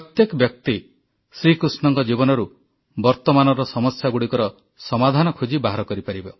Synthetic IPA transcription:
ɔt̪jekɔbjɔk̚t̪i | sɾikɾusnɔŋkɔd͡ʒibɔnɔɾu | bɔɾt̪ɔmanɔɾɔsɔmɔsjaɡuɽikɔɾɔ | sɔmad̪ʱanɔkʰud͡ʒibaɦɾɔkɔɾipaɾibɔ

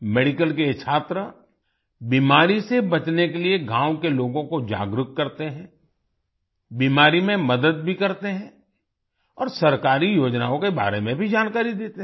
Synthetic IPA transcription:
meːɖɪkəlket͡ʃʰaːt̪ɾə | biːmaːɾisebɐt͡ʃnekelieɡʱãːwkeloːɡõkod͡ʒa̰ːɡɾʊk̚kɐɾt̪eɦɛ̃ː | biːmaːɾimẽmɐd̪əd̪̚bʱikɐɾt̪eɦɛ̃ | ɔːɾsɐɾkaːɾijoːd͡ʒnaõkeba̰ːɾemẽbʱid͡ʒaːnkaːɾid̪eːt̪eɦ

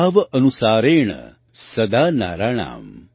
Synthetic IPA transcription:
ʋɐʔɐnusaːɾeːɳɐ̰ | sɐd̪aːna̰ːɾaːɳa̰ːm

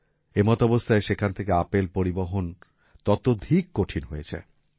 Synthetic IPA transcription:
emɔt̪ɔbost̪ʰaeʃekʰant̪ʰekeapelpoɾiboɦon | t̪ɔt̪od̪ʱikːoʈʰinɦojet͡ɕʰḛ

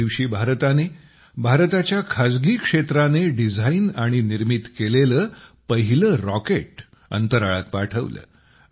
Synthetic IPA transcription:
iʋɕiːbʱaɾt̪ane | bʱaɾt̪at͡ɕjakʰad͡zɡiːkʂet̪ɾaneɖid͡zʱainaɽ̃iniɾmit̪keleləːpəɦiləːɾɔkeʈ | ə̰nt̪əɾaɭat̪̚paʈʰə̰ʋlə̰ː

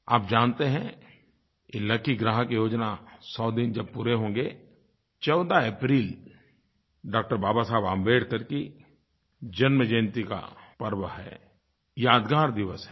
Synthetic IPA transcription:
aːp̚d͡ʒaːnt̪eɦɛ̃ | ɪləkiɡɾaːɦəkejoːd͡ʒnasɔːd̪ɪnd͡ʒɐb̚puːɾeɦõːŋ̆ɡe | t͡ʃɔːʊd̪aeːpɾiːl | ɖaːk̚ʈəɾbaːbasaːbaːmbeːɽkɐɾki | d͡ʒɐnməd͡ʒẽːnt̪ika̰pəɾʋəɦɛ̰ː | jaːd̪ɡaːɾd̪ɪʋəsɦɛ

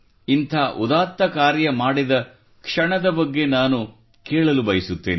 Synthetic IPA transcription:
int̪ʰaːʔud̪aːt̪ːɐkaːɾjɐmaːɽid̪ɐ | kʂɐɳɐd̪ɐbɐɡːe̞naːnu | keːɭɐlubɐjisut̪ːeːni

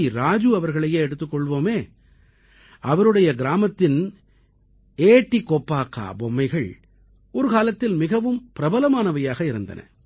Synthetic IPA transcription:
iɾaːd͡ʒɯɐʋɐɾɣɐɭɐjeːɛɽɯt̪ːɯkːɔɭʋoːmeː | ʔɐʋɐɾɯɽɐjɐɡɪɾaːmɐt̪ːɪn | eːʈːikːɔpːaːkːa̰ːbɔmːɐɪɣɐɭ | ɔɾɯkaːlɐt̪ːɪlmɪɣɐʋɯmpɪɾɐbɐlɐmaːnɐʋɐjaːɣɐɪɾɯnd̪ɐ̰nʔɐ̰

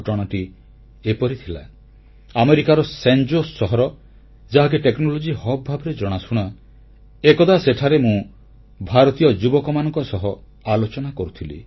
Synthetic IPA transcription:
ʈɔɽ̃ɔʈi | epɔɾit̪ʰila̰ | ameɾikaɾɔsend͡ʒosːɔɦɔɾɔ | d͡ʒaɦak̬eʈeknɔlod͡ʒihɔbbʱabɔɾed͡ʒɔɽ̃asuɽ̃a | ekɔd̪aseʈʰaɾemũ | bʱaɾɔt̪ijɔd͡ʒubɔkɔmanɔ̃ŋkɔsɔɦɔ | alot͡ʃɔnakɔɾut̪ʰilḭ

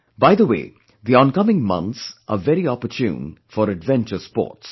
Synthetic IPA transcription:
baɪðəwḛː | ðiɔ̃nkʌmɪ̃ŋmʌ̰̃nt̪sʔəvɛɾiɔpətʰjṵ̃ːnfɔɾəɖʋɛ̃nt͡ʃəspɔ̰ːʈs

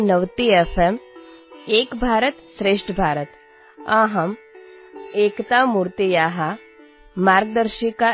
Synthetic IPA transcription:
nɐʋt̪ieːfʰem | eːkbʱaːɾət̪sɾeːʂʈʰbʱaːɾət̪ | ãːɦɐm | eːkt̪amuːɾt̪ijaːɦa | maːɾɡ̚d̪əɾʃika

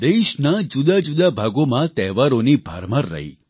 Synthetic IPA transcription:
d̪eʃnad͡ʒud̪ad͡ʒud̪abʱaɡomãt̪ɛʋaɾonibʱa̰ɾmaɾːə̰ɦḭ

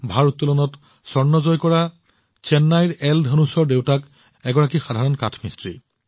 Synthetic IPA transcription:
bʱaɹutːulɔnɔt | sɔɹnɔzɔjkɔɹa | t͡ʃɛnːajɹɛldʱanusɔɹdewtak | ɛɡɔɹakixadʱaɹɔnkatʰmistɹḭ

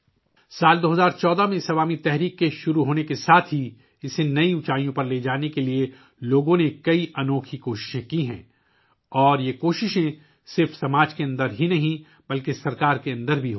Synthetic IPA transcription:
saːld̪oːɦɐzaːɾt͡ʃɔːd̪amẽsɐʋaːmit̪ɛɦɾiːkːeʃʊɾuɦoːnekesaːt̪ʰɦi | ɪsenɐiʊt͡ʃaːijõpɐɾleːd͡ʒaːnekelie | loːɡõnekɐiʔɐnɔːkʰikoːʃɪ̥ʃẽkiɦɛ̰̃ː | ɔːɾjekoːʃɪʃẽ | sɪɾfsɐmaːd͡ʒkeɐ̃nd̪əɾɦinɐɦĩ | bɐlkesɐɾkaːɾkeɐ̃nd̪əɾbʱiɦo

